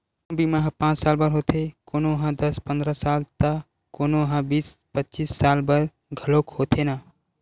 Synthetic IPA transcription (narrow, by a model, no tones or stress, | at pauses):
bʱimãɦpãːt͡ʃsaːlbəɾɦoːt̪ʰekoːnoɦãːd̪əspə̃nd̪ɾasaːlt̪a | koːnoɦãːbiːspətːt͡ʃiːsːaːlbəɾ | ɡʱəloːkhoːt̪ʰenaː